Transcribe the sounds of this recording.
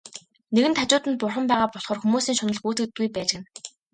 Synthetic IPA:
neɣɘ̆nt̪ʰat͡ɕʊːt̪ə̆nt̪̚pʊrχə̆mpæːʁaːpɔɮχɔːrxumuːsiːŋʃʊnɞ̆ɮxuːt̪ɘ̆t̪̚ɡujpæːt͡ɕɪ̆k̆n

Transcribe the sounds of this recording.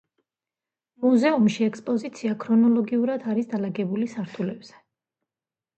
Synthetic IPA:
muzɛumʃiɛkspʼɔzit̪sʰiakʰɾɔnɔlˠɔɡiuɾad̪aɾisd̪alaɡɛbulisaɾt̪ʰulɛb̥z̥ɛ̥

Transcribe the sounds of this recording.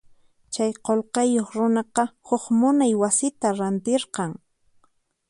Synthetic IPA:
t͡ʃajqolqɑjoχɾʊnɑqɑhʊχmʊnajwasɪt̪aɾant̪ɪɾqɑŋ

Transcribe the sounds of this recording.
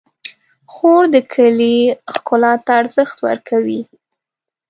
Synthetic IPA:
xoɾd̪əkʰəlixkʊlɑt̪aːɾzəxt̪wə̰ɾkʰawi

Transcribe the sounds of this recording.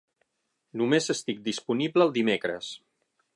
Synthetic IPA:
numezəst̪ik̚d̪ispunibləːlˠd̪imekɾə̰s

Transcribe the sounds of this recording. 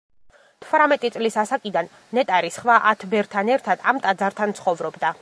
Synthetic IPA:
t̪ʰvɾamɛt̪ʼit̪sʼlisasakʼid̪anːɛt̪ʼaɾisχvaʔat̪ʰbɛɾt̪ʰanɛɾt̪ʰad̪̥amt̪ʼad̪zaɾt̪ʰant̪sʰχɔvɾɔbd̪a

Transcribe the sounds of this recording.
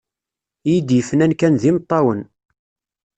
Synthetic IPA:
jid̪jəfənænkænðimət̪ˤːɑwən

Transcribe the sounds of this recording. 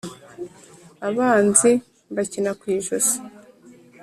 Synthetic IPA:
aβaːnzi | βacinakwiːʒosi̥

